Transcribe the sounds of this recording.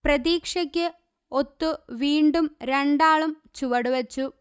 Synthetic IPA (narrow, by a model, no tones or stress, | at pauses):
prɐðiːkʂɐkʲːɨ | ot̪ːuʋiːɳɖumɾeɳɖaːɭum | t͡ɕuʋɐɽuʋɐt͡ɕːu